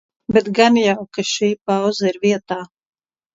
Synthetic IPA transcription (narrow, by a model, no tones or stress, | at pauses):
bɛt̪ɡanjawkaʃiːpawzaiɾviɛt̪aː